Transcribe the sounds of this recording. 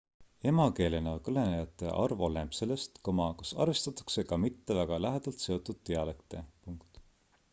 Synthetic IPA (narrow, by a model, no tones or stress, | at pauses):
e̞mɑke̞ːlenɑkɤle̞nejɑt̪ːˑe̞̰ʔɑ̰rvo̞le̞mbse̞lːest̪komɑkɑsɑ̰rvest̪ɑt̪ːˑɑ̥kse̞kɑmit̪ːe̞væɡ̥ɑlæɦed̪̥ɑlt̪se̞o̞t̪ːˑud̪̥t̪eɑlekt̪e̞puŋkt̪